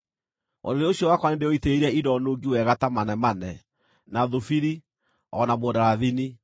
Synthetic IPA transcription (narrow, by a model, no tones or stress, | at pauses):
ɔ̰doɾeoɕjɔwakwanendeɔiteeɾɛidɔnoːɡiwɛɣatamanɛmanɛ | naðofiɾi | ɔnamɔːdaɾaðini